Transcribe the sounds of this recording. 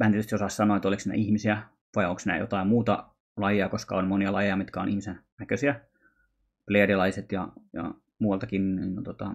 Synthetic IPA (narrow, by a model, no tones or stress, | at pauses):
mænetøst̪iosɑssɑnoːet̪ːoliksinæ̰ʔihmisiæ | ʋɑjoŋksnæ̰jo̰t̪ɑimmuːt̪ɑ̰ | lɑjiɑkoskɑ̰onmoniɑlɑjejɑmit̪kɑo̰nihmisennækøsiæ | pleːɾilɑiset̪jɑ̰jɑ̰ | muːwɑlt̪ɑkinnint̪ot̪ɑ